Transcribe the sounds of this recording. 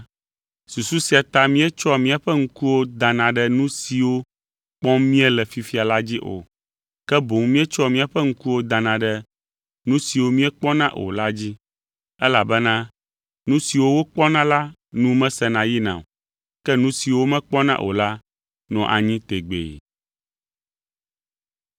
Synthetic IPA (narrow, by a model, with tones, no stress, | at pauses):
su˨su˦si˦a˨t̪a˦mĩ˦ɛ˦t͡ʃɔ˦mĩ˦a˨ɸɛ˦ŋ̩˦ku˦wo˦d̪ã˨nã˨ɖɛ˦nũ˦si˨wo˦ | k͡pɔ̃˦mĩ˦ɛ˦lɛ˨fi˨fi˦a˨la˦d͡ʑi˦ʔo̰˨ | kɛ˦bo˨ŋ˦mĩ˦ɛ˦t͡ʃɔ˦mĩ˦a˨ɸɛ˦ŋ̩˦ku˦wo˦d̪ã˨nã˨ɖɛ˦ | nũ˦si˨wo˦mĩ˦ɛ˦k͡pɔ˦nã˦ʔo̰˨la˦d͡ʑi˦ | ɛ˦la˨bɛ˦nã˦ | nũ˦si˨wo˦wo˦k͡pɔ˦nã˦la˦nũ˦mɛ̃˦sɛ˦˨nã˨ji˦nã̰˨o˨ | kɛ˦nũ˦si˨wo˦mɛ̃˦k͡pɔ˦nã̰˦ʔo̰˨la˦ | nɔ̃˨ʔa˨ɲĩ˦t̪e˨ɡ͡bḛ˨